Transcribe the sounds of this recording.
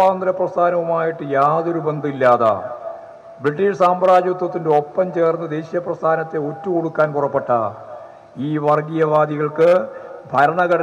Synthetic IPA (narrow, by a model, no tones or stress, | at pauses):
aːnd̪ɾɐprɐst̪ʰaːnɐʋumaːjiʈːɨjaːðo̞ɾube̞nd̪ʱilːaːða̰ | briʈːiʂsaːmbɐɾaːd͡ʑɐt̪wɐt̪ːinde̞o̞pːɐmt͡ɕe̞ːrnːɨd̪e̞ːɕijɐprɐst̪ʰaːnɐt̪ːe̞otːuko̞ɽukːaːnpurɐpːe̞ʈːɐ | iːʋɐrɡijɐʋaːd̪iɣɐɭkɨbʱɐɾɐɳɐɣɐɽɐ